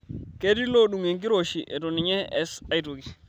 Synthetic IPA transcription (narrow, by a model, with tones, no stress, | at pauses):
ke˦di˦lo˦ɗu˨ŋe˨ŋki˦ɾo˨ʃi˨ʔɛ˨tɔ˨nɪ˨ɲɛ˦ɛ˦sa˨i˦to˨ki˨